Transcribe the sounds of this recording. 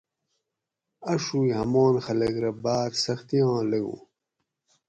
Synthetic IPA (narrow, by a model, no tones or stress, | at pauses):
ɐʂujhɐmoːnxɐlɐɡɾɐbaːt̪sɐxt̪iãːleɡṵː